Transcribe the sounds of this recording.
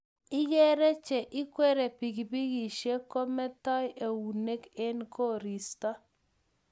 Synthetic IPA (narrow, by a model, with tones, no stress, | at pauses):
ɪ˦je˦ɾe˦t͡ʃe˨ʔɪ˦kwe˦ɾe˨pi˨ɡbi˦ɣi˨ʃe˦ko˦mɛ˦tɔ˦je˨wu˨ne˦ke˦nkʰo˦ɾi˨sta˦